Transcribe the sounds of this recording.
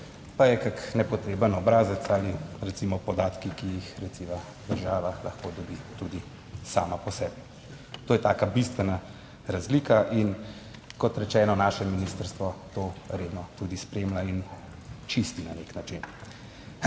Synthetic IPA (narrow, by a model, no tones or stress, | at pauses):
pajɛkaknɛpɔt̪ɾeːbənɔbɾaːzət̪saːliɾɛt̪simɔpɔd̪aːt̪kikijixɾɛt̪siʋa | d̪əɾʒaːʋalɐxkod̪ɔbiːt̪ud̪i | saːmapɔsɛːbi | t̪oːjɛt̪aːkabist̪ʋɛna | ɾazliːkaʔin | kɔt̪ɾɛt͡ʃɛːnɔnaːʃɛminist̪əɾst̪ʋɔt̪oːɾeːd̪nɔt̪ud̪ispɾemlain | t͡ʃist̪ina̰neknat͡ʃin